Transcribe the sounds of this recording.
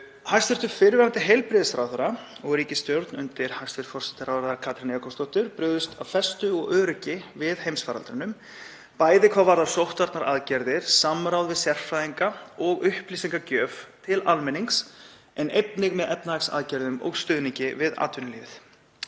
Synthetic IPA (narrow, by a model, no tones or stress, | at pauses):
hajst̪vɪɾt̪ʏɾ̥fɪɾvɛɾant̪ɪɦejlpɾɪðɪsɾawðʏɾa | ɔɣɾiːcɪst̪jowɾt̪nʏnt̪ɪɾ̥haj̥st̪fɪɾt̪fɔrsɛ̥t̪ɪɾawðɾaðaɾkʰaːt̪ɾɪnjakʰɔst̪ɔwht̪ʏɾ̥pɾʏɣðʏst̪ʰavfɛst̪ʏɔɣœːɾʏcɪvɪðhejmsfaːɾa̰lt̪ɾɪnʏm | paːjðɪkʰvaːvaɾðḁsowht̪vaɾt̪naɾaðcɛɾðɪɾ̥samɾawðvɪðsjɛr̥fɾajðiŋkaɔɣʏhpliːsiŋkacœːvt̪ʰɪlalmɛniŋks | ɛnejt̪nɪɣmɛðɛpnaaksa̰ðcɛɾðʏmɔ̰ɣst̪ʏːðnicɪvɪða̰ːt̪vʏnlɪθ